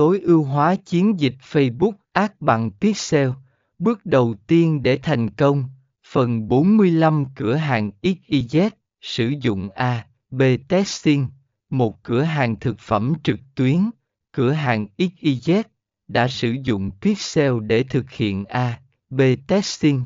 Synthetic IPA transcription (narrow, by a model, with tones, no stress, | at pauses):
t̪o˨˦jʔi˧wɦwaː˨˦t͡ɕi˨˦ənzi˨˩k̟̚fə˧jɓʊ˦˥k̚ʔaː˦˥k̚ɓa̰˧˨ŋt̪i˦˥k̚sɛ˧w | ɓɨ˦˥ək̚ɗə˨˩wt̪i˧ənɗe˧˩t̪ʰa˨˩jŋ̟kə˧wŋ͡m | fə˨˩nɓo˨˦nmɨ˧əjla˧mkɨ˧˩əɦaː˨˩ŋʔi˦˥k̚ʔi˧zɛ˦˥t̚ | sɨ˧˩zʊ̰˧˨ŋ͡mʔaː˧ | ɓe˧t̪ɛ˦˥i˧n | mo˨˩t̚kɨ˧˩əɦaː˨˩ŋt̪ʰɨ˨˩k̚fə˧˩mt͡ɕɨ˨˩k̚t̪wi˨˦ən | kɨ˧˩əɦaː˨˩ŋʔi˦˥k̚ʔi˧zɛ˦˥t̚ | ɗa̰ː˧˥sɨ˧˩zʊ̰˧˨ŋ͡mt̪i˦˥k̚sɛ˧wɗe˧˩t̪ʰɨ˨˩k̚hḭ˧˨ənʔaː˧ | ɓe˧t̪ɛ˦˥i˧n